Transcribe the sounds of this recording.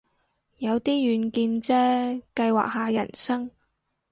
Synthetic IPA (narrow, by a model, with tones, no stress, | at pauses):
jɐ˨˧wt̪iː˥jyː˨˧nkiː˧nt͡sɛː˥kɐ˧jwa̰ː˨k̚haː˨˧jɐ̰˨˩nsɐ˥ŋ